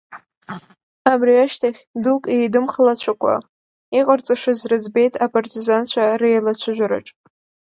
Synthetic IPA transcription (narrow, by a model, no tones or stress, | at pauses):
abriaʃtʰaχʲdukʼejdɨmχlat͡ɕʷʰakʷʰʼa̰ | iqʼart͡sʼaʂɨzrɨzbe̞jtʰapʰʼartʰʼizant͡ɕʷʰarejlat͡ɕʷʰʊʒᶣʷaɾa̰ʈ͡ʂʼ